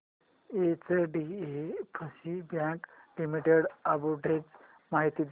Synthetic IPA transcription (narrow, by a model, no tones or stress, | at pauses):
et͡seɖiepʰəsibjãklimiʈeɽabuʈet͡s | maɦit̪iːd̪